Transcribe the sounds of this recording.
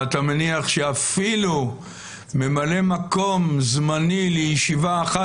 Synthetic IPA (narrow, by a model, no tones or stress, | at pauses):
at̪ameniaχʃeafilu | me̞male̞mako̞mzmanilejiʃivaːχa